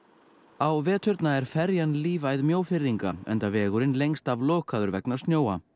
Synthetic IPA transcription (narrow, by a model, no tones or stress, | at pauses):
awvɛːt̪ʰʏɾt̪naɛɾ̥fɛɾjanliːvajðmjoːwfɪɾðiŋka̰ɛ̰nt̪avɛːɣʏɾɪnlejŋst̪avlɔːkaðʏɾvɛ̰knḁst̪njoːwa̰